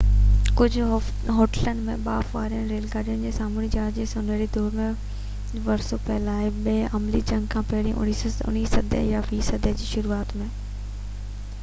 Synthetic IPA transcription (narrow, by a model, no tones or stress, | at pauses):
kʊd͡ʑʱʊ | ɦoːʈələn̆mẽɓaːfʋaːɾijənɾeːlkaːɾijənɪ̆d͡ʑeːsaːmuːnid͡ʑaːd͡ʑeːsʊnəɽid̪ʱoːmẽ | ʋɐɾsopɛɦlaːɦeɓeʔɐmlid͡ʑɐ̃ŋɡkʰãːpɛɽĩʔʊ̰nisʊ̰nisəd̪ʱḛjaʋiːsəd̪ʱəd͡ʑiːʃʊɾuaːt̪mẽː